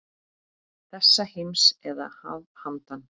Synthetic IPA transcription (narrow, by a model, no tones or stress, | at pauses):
θɛsːahejmsɛða̰ha̰vhant̪an